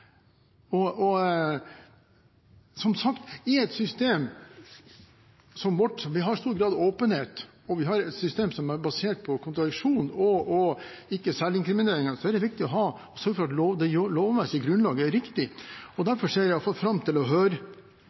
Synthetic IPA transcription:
ɔɔ | sɔmsɑkt̪ɪɛt̪sʏst̪eːm | sɔmʋɔʈɔʋɪɦɑɾst̪uːɾɡɾɑːd̪oːpənheːt̪ | ɔʋɪɦɑɾɛt̪sʏst̪eːmsɔmæɾbɑseːʈ̚pʰɔkʰʊnt̪ɾɑd̪ɪkʂuːnɔɔ | ɪkːəsælɪŋkɾɪmɪneːɾɪŋəsɔæɖ̪ɛʋɪk̚t̪ɪɔɦɑː | ɔsœɾɡəfɔɾɑt̪loːd̪ɛjoloːʋmɛsɪɡɾʉnlɑːɡəæɾɪkt̪ɪɔd̪æɾfɔʂeːɾjæɑfɑlfɾɑmːt̪ʰɪlɔɦøːɾə

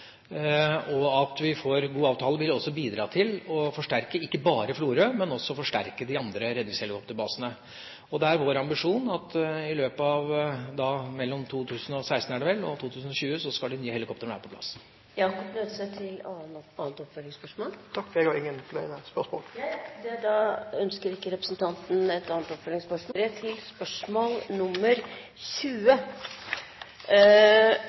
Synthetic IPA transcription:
ɔɑt̪ʋɪfoɾɡuːɑːʋt̪ʰɑːləʋɪlɔsːɔbiːd̪ɾɑ̰ːt̪ʰɪlɔfɔʂʈæɾkəɪkːəbɑːɾəfluːɾøːmɛnɔsːɔɔfɔʂʈæ̰ɾkəd̪ɪɑnd̪ɾəɾɛd̪ʋɪshɛlɪkʰɔpt̪əɾbɑːsənə | ɔd̪ɛæɾʋoːɾɑmbɪʂuːnɑt̪ɪløːpəɑʋd̪ɑmɛlːɔmt̪ʰuːt̪ʰʉːsən̩ɔsæɪst̪n̩æːɖɛʋɛlːɔ̰t̪ʰuːt̪ʉːsn̩ɔɕʉːəsɔskɑld̪ɪnyːəhɛlɪkɔp̚t̪əɾɳʋæ̰ːɾəpʰɔplɑ̰s | jɑːkɔpnøt̪sət̪ʰɪlɑɑːnt̪ɔpfœlːɪŋspœʂmoːlt̪ʰɑkfɔɾeɡɔɪŋːənfɔlɛnspœʂmo̰ːlæd̪ɛd̪ɑœnskəɾɪkːəɾɛpɾəsnt̪ʰɑnt̪n̩ɛt̪ɑːnt̪ɔpfœlɪŋspœʂmoɾæt̪ʰɪlspœʂmoːlnʊmːəɾ | ɕʉːə

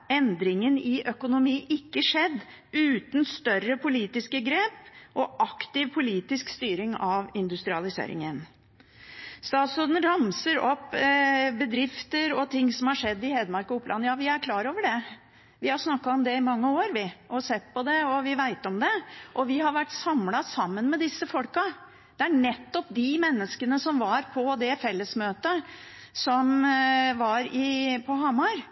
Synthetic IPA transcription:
ɛnd̪ɾɪŋənɪʔœkʊnʊmiːʔɪkːəʂɛd̪ː | ʉːt̪n̩st̪œrəpʰʊliːt̪ɪskəɡɾeːpʔɔʔɑkt̪ɪʋpʰʊliːt̪ɪskst̪yːɾɪŋɑʋɪnd̪ʉst̪ɾɪɑlɪsḛːɾɪ̰ŋən | st̪ɑːt̪sʉd̪n̩ɾɑmsəɾɔpː | bəd̪ɾɪft̪əɾɔt̪ʰɪŋːsɔmhɑʂɛd̪ːɪheːd̪mɑɾkɔʊpːlʔɑ̰nːjɑːʋɪæɾkʰlɑːɾoːʋəɖɛ | ʋɪhɑɾʂnɑkːɑɔmd̪ɛɪmɑŋːəoːɾʋɪʔɔsɛt̪ːpɔd̪ɛɔʋɪʋæɪt̪ɔmd̪ɛʔɔʋɪɦɑɾʋæʈːsɑmlɑsɑmːənmɛd̪ɪsːəfɔlkɑ | d̪̥ɛæɳɛt̪ːɔpd̪ɪmɛnːəskənəsɔmʋɑɾpʰɔd̪ɛfɛlːəsmøːt̪ə | sɔmʋɑɾɪpʰɔɦɑmɑɾ

